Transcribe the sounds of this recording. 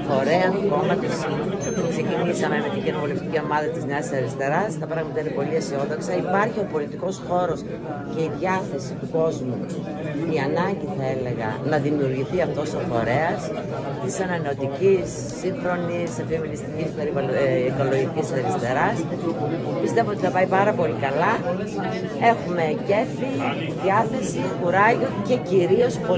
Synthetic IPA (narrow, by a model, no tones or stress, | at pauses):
fo̞ɾeɐnko̞mɐt̪iskse̞cinisɐmemet̪icinopolemit̪icio̞mɐðɐt̪izneɐssɐɾist̪e̞ɾɐst̪ɐpɾɐɣmɐt̪ɐeɾipo̞liɐsio̞ðoksɐipɐɾçio̞po̞lit̪iko̞sxo̞ɾo̞s | ce̞iðʝɐθe̞sit̪uko̞zmu | iɐnɐɲɟiθɐele̞ɣɐ̰nɐðimiuɾʝiθiɐft̪o̞sifo̞ɾe̞ɐs | t̪isɐnɐneot̪icisːiŋxɾo̞nisefiomilist̪icispe̞ɾivɐiko̞lo̞ʝiciseɾist̪e̞ɾɐs | pist̪e̞voo̞t̪iθɐpɐipɐɾɐpo̞likɐlɐ | e̞xume̞ce̞fi | ðiɐθe̞sixuɾɐʝoce̞ciɾio̞sp